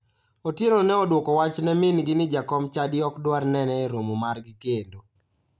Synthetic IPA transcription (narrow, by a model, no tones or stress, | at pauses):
otjeɾonɛɔdwokɔwat͡ʃnɛmɪnɡɪnɪd͡ʒakɔmt͡ʃadjɔkdwarnɛnɛeɾomomarɡɪkendo